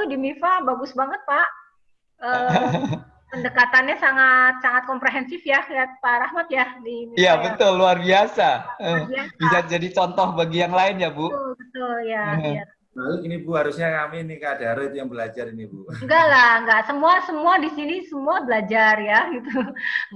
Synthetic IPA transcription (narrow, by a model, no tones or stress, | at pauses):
udimifabaɡʊsbaŋət̪̚paʔ | ʔəː | pəndəkat̪anɲasaŋat̪̚saŋat̪̚kɔmpɾeɦɛnsɪfjakiat̪̚paɾahmat̪jadimijabət̪ʊlːuarbiasaəiabisad͡ʒadit͡ʃɔnt̪ɔhbaɡijaŋlaɪnjabuʊlbət̪ʊljaa | nalukinibuhaɾusɲakaminikadaɾat̪jaŋbəlad͡ʒaɾinibuŋɡaʔlahŋɡaʔsəmuasəmuadisinisəmuabəlad͡ʒarjaɡit̪u